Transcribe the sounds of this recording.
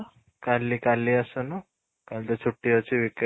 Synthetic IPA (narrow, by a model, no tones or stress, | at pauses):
kalːiːkalːiːəsənu | kalt̪ət͡sʰuʈːiʋət͡ɕiʋik